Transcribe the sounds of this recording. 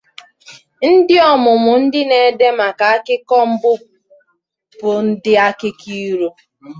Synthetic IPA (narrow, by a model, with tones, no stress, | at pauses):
n̩˦dɪ˦ɔ˦˨mʊ˨mʊ˨n̩˦dɪ˦ne˨de˦ma˨ka˨a˦kɪ˦kɔ˦m̩˦bʊ˦ | bʊ˨n̩˦dɪ˦a˦kɪ˦kʰi˦ɾo˦